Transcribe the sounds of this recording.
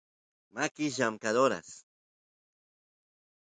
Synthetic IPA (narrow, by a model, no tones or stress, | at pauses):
makɪʒamkad̪oɾa̰s